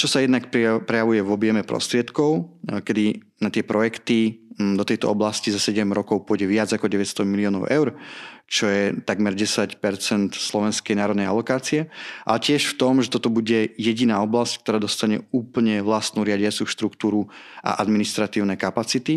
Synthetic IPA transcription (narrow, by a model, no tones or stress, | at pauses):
t͡ʃɔsajɛd̪nakppɾɛjaʋujɛvɔbɪɛmɛpɾɔ̰st̪ɾɪɛt̪kɔʊkɛd̪i | nat̪ɪɛpɾɔjɛkt̪id̪ɔt̪ɛjt̪ɔ̰ɔblascizasɛɟɛmɾɔkɔʊpʊɔjɟɛʋɪad͡zakɔɟɛʋɛtst̪ɔmiliɔːnɔ̰ʊʔɛʊɾt͡ʃɔjɛt̪aɡmɛɾɟɛsacpɛɾt͡sɛnt̪slˠɔʋɛnskɛjnaːɾɔd̪nɛja̰lɔkaːt͡siɛʔa̰lɛcɪɛʃft̪ɔmʒɛt̪ɔt̪ɔbuɟɛjɛɟinaːɔblasck̚t̪ɔɾaːd̪ɔst̪aɲɛ̰uːpl̩ɲɛʋlast̪nuːɾɪaɟɪat͡suʃt̪ɾukt̪uːɾuʔa̰ʔad̪minist̪ɾat̪iːʊnɛkapat͡sit̪i